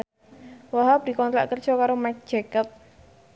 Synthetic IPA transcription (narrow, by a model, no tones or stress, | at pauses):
waɦabd̥̪i̤kɔnt̪ɾa̰ʔkər̥ʒ̥ɔkaɾomajk̚d̥d͡ʒ̥ɛkəp̚